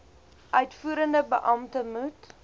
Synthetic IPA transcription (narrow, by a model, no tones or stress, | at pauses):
ʔœɥtfuːɾəndəbəʔɐmtəmut